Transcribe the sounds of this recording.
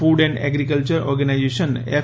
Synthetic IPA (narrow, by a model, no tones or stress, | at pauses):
uːɖɛ̃ɳɖɛ̰ɡɾikəlt͡ɕəɾɔ̰ɾɡənajd͡ʑeʃəne